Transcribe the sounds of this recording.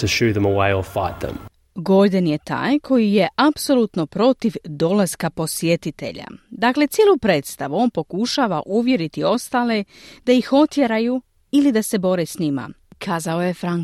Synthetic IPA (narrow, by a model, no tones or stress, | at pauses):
tʰəʃʉːðə̃məweɪəfaɪt̪̚ðə̰̃m | ɡo̞d̪anje̞t̪a̰ːjkʰo̞jije̞ʔapso̞luːt̪no̞pɾo̞t̪iʋd̪o̞laskapo̞sje̞t̪it̪e̞̰ʎa̰d̪aːkle̞t̪sjelupɾe̞ːt̪st̪aʋuo̞ːnpo̞kuʃaːʋaʔuʋje̞ɾit̪io̞st̪aːle̞ | d̪̥ajixo̞t̪jeɾaju | ilid̪ase̞bo̞ɾe̞sɲima̰kʰaːzaojefɾaŋ